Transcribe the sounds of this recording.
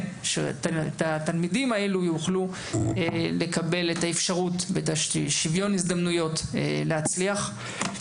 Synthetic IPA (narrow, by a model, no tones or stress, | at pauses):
ʃḛttat̪almidimaelujuχlu | ele̞kabe̞letaefʃaʁutveetaʃʃivjo̞nizd̪amnujo̞tːlehat͡sliaχ